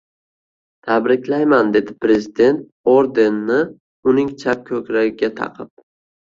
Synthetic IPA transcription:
t̪ʰabɾɪkʲlajmand̪e̞d̪ɪpɾe̞zɪd̪e̞nt̪̚ | oɾd̪e̞nːɪ | ʊnɪŋt͡ʃʰap̚kʲʰɵkʲɾaɡʲɪɡʲat̪ʰɑ̰qʰɨp̚

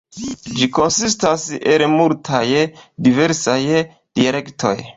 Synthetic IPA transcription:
d͡ʒiko̞nsistaselmultʰajdive̞ɾsaj | d̥iale̞ktʰo̞̰j

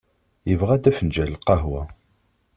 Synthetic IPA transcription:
jəvʁæd̪æfənd͡ʒælqɑɦwæ

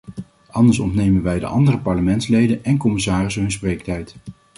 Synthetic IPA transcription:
ʔɑndəɹsɔ̰ntnejmənʋɛjdə̰ʔɑ̰ndərəpɑɹləmɛntslejdənɛnkɔmɪsaːrɪsɦɵns̬prejktɛjt

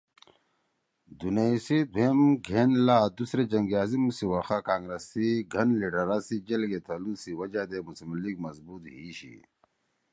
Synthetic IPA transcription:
d̪unaisid̪ʱemɡʱenlaːd̪usɾed͡ʑɐŋɡjaːzimusiwaxakaːŋɡɾesiɡʱɐnliʈɐɾasid͡ʑelɡet̪ʰɐlusiwɐd͡ʑad̪emusimliɡmɐzbuːt̪ɦiɕḭ

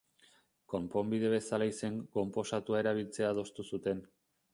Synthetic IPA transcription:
ko̞mpo̞mbiðe̞βe̞salaise̞ŋko̞mpo̞sat̪uae̞ɾaβ̞ilt͡se̞aːð̞o̞st̪usut̪e̞n

